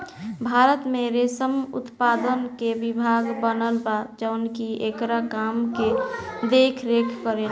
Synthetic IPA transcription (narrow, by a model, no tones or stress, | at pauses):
bʱaɾət̪meɾesəmṵt̪pad̪ənkeʋibʱaɡbənəlbad͡ʒəʊnkiekɾakamked̪ekʰɾekʰkəɾen